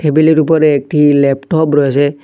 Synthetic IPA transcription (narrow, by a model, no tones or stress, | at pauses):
ʈʰebiliɾup̬ɔɾɛːk̚ʈilɛpʈɔpɾojsɛ